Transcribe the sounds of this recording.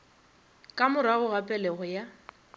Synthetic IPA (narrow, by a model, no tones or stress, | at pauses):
kʼamʊɾaɣʊɣapʼɛlɛɣɔja